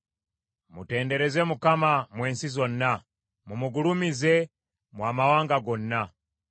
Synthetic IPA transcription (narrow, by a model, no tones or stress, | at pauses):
mṵtɛːndɛɾɛzɛmukamamweːnsizɔnːa | mumuɡulumize | mwamawaːŋɡaɡɔnːa